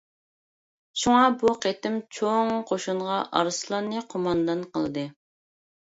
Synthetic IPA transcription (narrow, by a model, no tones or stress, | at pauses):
ʃuŋɑbuqʰet̪ɪmt͡ʃʰoŋqʰoʃuɴʁɑʔɑ̰ɾɨslˠɑnɨqʰomɑnd̪ɑnqə̰lˠɨd̪ɨ